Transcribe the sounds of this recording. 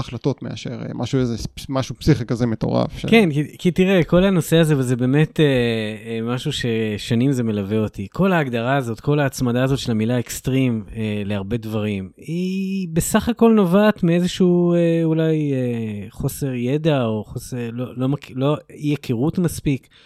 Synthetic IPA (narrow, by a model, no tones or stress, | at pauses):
aχlato̞tmea̰ʃḛʁ̰mʔa̰ʃuezemaʃupsiχikazemet̪o̞̰ʁa̰fʃḛkenkikit̪iʁeko̞lano̞se̞aze̞vezebe̞ːme̞t̪e | maʃuʃe̞ʃanimze̞me̞laveo̞tikʰo̞laːɡd̪aʁaːzo̞t̪ko̞laːt͡smad̪aːzo̞tʃe̞lamilaekst̪ʁimeleaʁbe̞dvaʁim | ibe̞saχako̞lnovaːtmiezeʃuueulajeχo̞se̞ʁje̞daoχoselolo̞maklo̞ijakʰiʁutmaspik